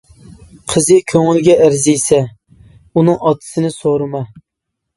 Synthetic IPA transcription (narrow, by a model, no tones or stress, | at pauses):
qʰəzɨkʲʰøŋɪlɡʲɛʔæɾzijsɛ | unɨŋɑt̪ʰːɨ̥sɪnɪsoɾɨmɑ